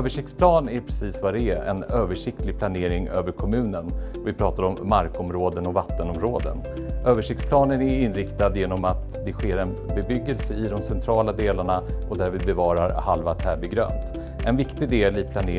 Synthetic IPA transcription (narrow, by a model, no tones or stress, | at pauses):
øːvəʂɪkt̪spʰlɑːnæɾpʰɾɛsiːsvad̪ɛæɾɛ̰nøːvəʂɪkt̪lɪɡ̚pʰlaneːɾɪŋøːvəɾkʰɔmʉ̟ːnənvɪpʰɾɑːt̪aɾɔmːaɾkɔmɾoːd̪ənɔvat̪ːənɔmɾoːd̪ə̰n | ʔøːvəʂɪkt̪spʰlɑːnənæɾɪnːɾɪkt̪ad̪jeːnɔmat̪d̪ɛɧeːɾɛn | bɛbʏɡːəlsəɪd̪ɔmsɛnt̪ʰɾɑːlad̪eːlaɳaɔd̪æɾvɪbɛvɑːɾaɾhalvat̪ʰæːbɪɡɾø̰ːnt̪ | ʔɛnvɪkt̪ɪd̪eːlɪpʰlane